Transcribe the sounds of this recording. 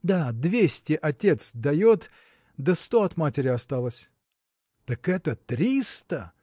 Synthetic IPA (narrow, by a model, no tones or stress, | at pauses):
d̪ad̪vʲesʲtʲɪʔɐtʲe̞t̪sd̪ɐjot̪ | d̪əst̪oɐt̪matʲɪɾʲɪɐst̪alˠəsʲ | t̪əkɛt̪ət̪ɾʲist̪ə